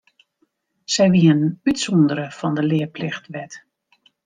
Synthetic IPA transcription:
sɛjʋiənytsɔndəɾəfɑndəlɪəplɪxtʋɛt

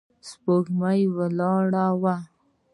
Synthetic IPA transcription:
spoxmajwəlɑɽawa

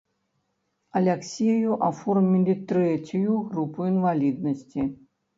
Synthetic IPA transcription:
ɐlʲɛksʲijjuʔafɔrmʲilʲit̪ɾɛt͡sʲujuɣɾupuinvalʲid̪̚nɐsʲt͡sʲi

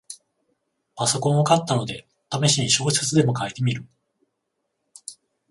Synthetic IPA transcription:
paso̞kõ̞ɰ̃okat̪ːano̞d̪e̞ | t̪ameɕiɲ̟iɕo̞ːset͡sɨd̪e̞mo̞kait̪e̞mʲiɾɯ̟

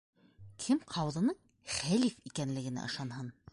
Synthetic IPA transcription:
kʰɘmqʰɑwðɤ̆nɤɴ | χælifikænlɘ̆ɡɘ̆næ̰ʔɤ̰̆ʃˠɑnhɤn

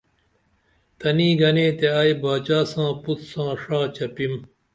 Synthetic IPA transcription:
t̪ɐniːɡɐneːt̪eaːjbaːt͡ɕaːsãːput̪sãːʂaːt͡ɕɐpim

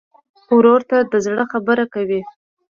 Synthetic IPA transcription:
wɾoɾt̪ad̪əzɽəxabəɾakawi

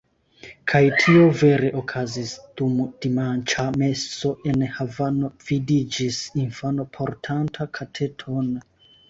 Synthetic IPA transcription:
kʰajtʰio̞ve̞ɾe̞ʔokʰazisd̥umd̥imant͡ʃame̞so̞ʔe̞nhavano̞v̥idid͡ʒisinfano̞pʰo̞ɾtʰantʰakʰatʰe̞tʰon

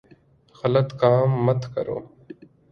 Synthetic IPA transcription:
xələt̪kaːmːət̪kə̰ɾo̰ː

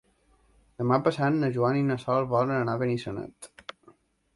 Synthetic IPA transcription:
d̪əmapəsanːəʒuaninəsɔlˠβɔlənənaβenisənə̰t̪

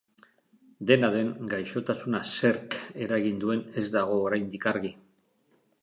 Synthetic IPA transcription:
d̪e̞naðe̞ŋɡajʃo̞t̪asunase̞ɾke̞ɾaɣind̪ue̞ne̞zd̪aɣ̞o̞ːɾajnd̪ikaɾɣi

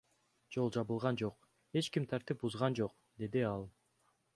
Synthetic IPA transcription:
d͡ʒo̞lˠd͡ʒɑβɯlˠʁɑnd͡ʒoq | e̞t͡ʃkimt̪ʰɑɾt̪ip̚buzʁɑnd͡ʒo̞q̚ | d̪e̞d̪iɑlˠ

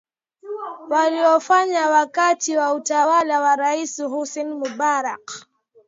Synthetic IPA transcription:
waliɔfaɲawakatiwautawalawaɾaisiɦusɛnmubaɾak

